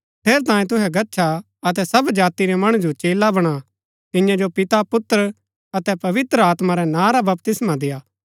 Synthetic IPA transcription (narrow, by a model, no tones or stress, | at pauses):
pʰeːɾt̪ãːẽt̪̬ʊɦɛɡɐːʃʰa | ɐt̪̬ɛsɐbd͡ʒaːt̪iɾɛmɐɽ̃ud͡ʒot͡ʃeːlabɐɽ̃a | t̪ɪ̃jãd͡ʒopɪt̪apʊt̪ːɾ | ɐt̪ɛpɐʋɪt̪ɾəaːt̪maɾɛnãːɾabɐpt̪ɪsmad̪ɪjaː